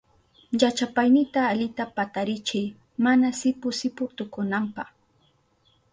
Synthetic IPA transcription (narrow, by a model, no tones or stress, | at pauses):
jat͡ʃapajnɪt̪aːʎɪt̪apat̪aɾɪt͡ʃɪj | manasɪpʊsɪpʊt̪ʊkʊnampaχ